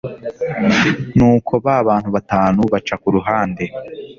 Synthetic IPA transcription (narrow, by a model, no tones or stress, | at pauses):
nuːkʰo̞βaβaːn̥huβataːnuβat͡ʃakuɾuɦaːnde̞